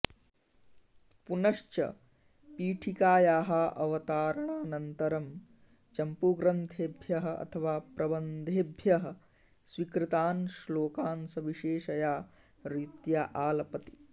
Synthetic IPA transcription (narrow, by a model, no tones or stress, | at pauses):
punɐʃt͡ʃɐ̰ | piːʈʰikaːjaːɦaːʔɐʋɐt̪aːɾɐɳaːnɐnt̪ɐɾɐm | t͡ʃɐmpuɡɾɐnt̪ʰeːbʱjɐɦɐʔɐ̰t̪ʰɐʋaːpɾʔɐbɐnd̪ʱeːbʱjɐɦɐ | sʋikɾit̪aːnʃloːkaːnsɐʋiʃeːʃɐjaː | ɾit̪jaːʔaːlɐpɐt̪i̥